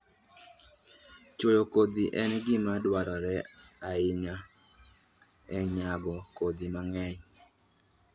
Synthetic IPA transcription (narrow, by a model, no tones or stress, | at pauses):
t͡ʃojokod̪iʔɛnɡɪmadwaɾɔɾɛaɪɲa | ɛɲaɡɔkod̪imaŋɛɲ